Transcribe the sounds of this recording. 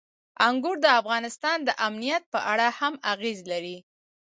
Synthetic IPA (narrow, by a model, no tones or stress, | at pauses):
aŋɡuɾd̪əafɣɑnɪst̪ɑnd̪əʔamnijat̪̚pəʔaɽahamaɣezlaɾi